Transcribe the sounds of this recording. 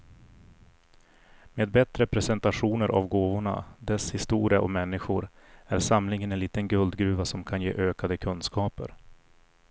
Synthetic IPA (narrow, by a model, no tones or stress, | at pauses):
meːd̪̚bɛt̪ɾəpʰɾɛsɛnt̪aɧuːnəɾʔa̰vɡoːvʊɳa̰d̪ɛshɪst̪uːɾɪaʔɔ̰mɛnːɪɧʊɾ | æɾsamlɪŋənɛnliːt̪ənɡɵld̪ɡɾʉ̟ːvasɔmkʰanjeːʔøːkad̪əkʰɵnskɑːpə̰ɾ